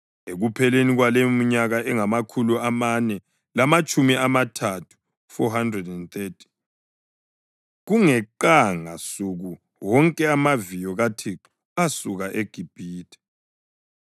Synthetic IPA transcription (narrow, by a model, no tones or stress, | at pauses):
eɣupʰɛleniɣwalemm̩ɲaɣaʔɛŋamakʰuluamanɛ | lamat͡ʃʼumiʔamatʰatʰu̥ | fɔɦandrɛdɛnt̪etʰi̥ | ɣuŋɛǃaŋa̰suɣu | wɔŋkʼɛamavijɔɣatʰiǁu | asuɣaʔeɡ̥ʱib̥ʱiːtʰɛ̥